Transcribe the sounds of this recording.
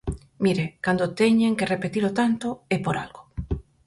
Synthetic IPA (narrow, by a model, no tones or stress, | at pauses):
miɾekand̪ot̪eɲeŋkerepet̪ilot̪ant̪oepoɾa̰lɡo